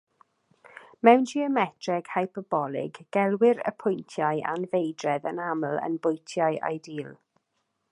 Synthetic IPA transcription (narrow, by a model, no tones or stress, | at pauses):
mɛwnd͡ʒiəmɛtʰrɛɡ̥hajpʰɔbɔlˠɪ̰ɡːɛlˠwɪɾə̰pʰʊjntʰjajʔa̰nvejdrɛðənaml̩ˠə̰nbʊjtʰjajʔa̰jdiːlˠ